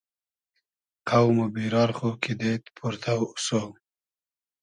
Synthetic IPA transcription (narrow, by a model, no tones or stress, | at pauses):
qʰawmobiɾɑːɾχokʰid̪et̪pʰuɾt̪ʰawʊso